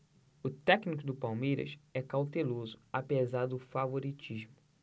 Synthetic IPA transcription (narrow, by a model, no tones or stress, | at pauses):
ʊt̪ɛknikʊd̪ʊpawmejɾɐ̰sɛkawt̪elozʊapezaɾd̪ʊfavoɾit͡ʃiʒmʊ